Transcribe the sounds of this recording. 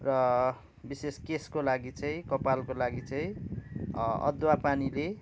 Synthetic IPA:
rʌ | biseskeskolaɡit͡sʌĩkʌpalkolaɡit͡sʌĩ | ʌ̰d̪wapanile

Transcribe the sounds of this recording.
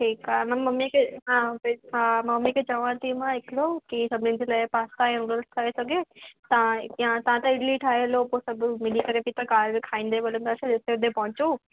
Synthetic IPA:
ʈʰiːkamɐ̃mɐmːikʰeɦãːpɦãmɐmːikʰet͡ɕɐʋãt̪ʰimãɦɪkʰɪlokisɐbʱɪnɪ̃n̆d͡ʑelaːɪpaːst̪ãɛ̃ɡəlskʰaesɐɡʱet̪ɐãjãt̪ɐʋ̤ãt̪ɐɪɽliʈʰaːɦeloposɐbʱmɪlikɐɾepit̪ɐkaːɾbẽkʰaːĩːnd̪eɓɐlənd̪aːsed͡ʑɪseʊd̪epɐ̃ɦʊ̃t͡ɕu

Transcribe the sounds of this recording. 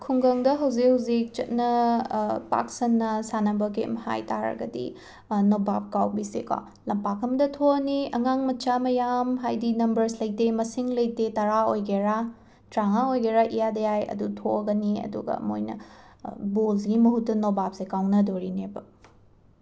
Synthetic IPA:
kʰuŋɡɐŋdɐɦɐwzikhɐwzik̚t͡ʃɐt̚nɐ | pa̰ksɐnːɐsanɐbɐk̬ḛmha̰jtaɾɐ̰ɡɐ̰dḭ | nobap̚kawbisekwa̰ | lɐmpakʰɐmdɐtʰoɐniɐŋaŋmɐt͡ʃamɐjamɦajdinɐmbɐɾslɐjtemɐsiŋlɐjtetɐɾaojɡeɾa | tɾaŋaojɡeɾaʔijadɐjajɐ̰dutʰoɐɡɐniɐ̰dṵɡɐ̰ːmo̰jnɐ̰ | bolɡimɐɦutːɐnobap̚sekawnɐdoɾinebɐ

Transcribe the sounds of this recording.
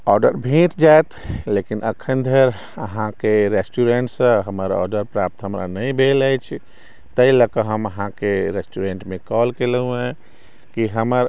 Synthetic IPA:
ɔɾɖəɾbʱĩʈd͡ʒaet̪lekinʔə̰kʰənd̪ʱəɾ | əɦãkeɾesʈuɾeɳʈsə̃ɦəməɾɔ̰ɾɖəɾpɾap̚t̪ɦəmɾa̰nəjbʱelajt͡ʃʰ | t̪əiləkəɦəməɦãkeɾesʈuɾeɳʈmekɔlkelɦũɛ̃ | kiɦəməɾ

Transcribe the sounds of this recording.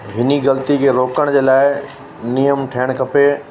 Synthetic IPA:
ɦɪniɣɐlt̪ikʰeɾoːkəɽ̃d͡ʑeːlaːɪ | nijəmʈʰeːɽ̃kʰɐpe

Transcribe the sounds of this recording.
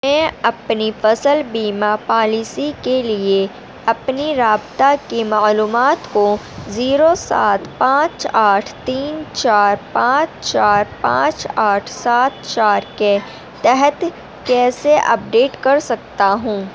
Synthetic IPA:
mɛ̃ːɐpnifɐsəlbiːmapaːlisikelie | ɐpniɾaːbt̪akimaːluːmaːt̪ko | ziːɾosa̰ːt̪ʰpãːt͡ʃaːʈʰt̪iːnt͡ʃaːɾpãːt͡ʃt͡ʃaːɾpã̰ːt͡ʃaːʈʰsaːt̪̚t͡ʃaːɾke | t̪ɛɦət̪ | kɛːseʔɐ̰p̚ɖeːʈkɐɾsɐkt̪aɦũː

